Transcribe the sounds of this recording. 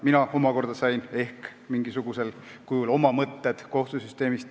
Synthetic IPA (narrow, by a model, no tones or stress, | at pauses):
minɑo̞mɑko̞rd̪̥ɑsɑjne̞hkmiŋɡisuɡ̥use̞lkujulo̞mɑmɤt̪ːed̪̥ko̞ht̪usyst̪e̞ːmist̪